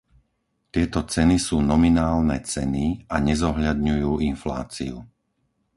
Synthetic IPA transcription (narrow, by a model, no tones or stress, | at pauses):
t̪ɪɛt̪ɔt͡sɛnisuːnɔminaːlnɛt͡sɛniaɲɛzɔɦʎad̪ɲujuːinfla̰ːt͡siu